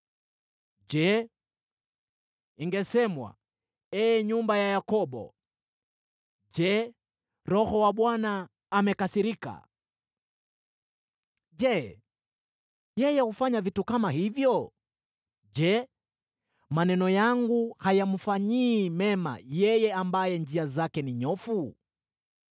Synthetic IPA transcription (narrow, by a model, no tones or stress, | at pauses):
d͡ʒɛ | iŋɡɛsɛmwa̰ | ɛɲumbajajakɔɓɔ̰ | d͡ʒɛ | ɾɔhɔwaɓwanaː | mɛkasiɾika̰ | d͡ʒɛ | jɛjɛhufaɲavitukamaɦivjɔ | ʄɛ | manɛnɔjaŋɡuhajam̩faɲiːmɛma̰jɛjɛambajɛnd͡ʒiazakɛniɲɔfu